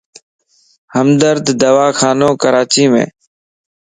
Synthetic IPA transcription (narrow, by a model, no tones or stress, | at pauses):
həmd̪əɾd̪d̪əʋaːkʰaːnoːkəɾaːt͡ʃiːmḛ̃ː